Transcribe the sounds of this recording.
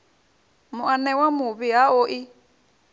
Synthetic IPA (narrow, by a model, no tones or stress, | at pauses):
mʊʔanɛwamʊβɪaoʔɪ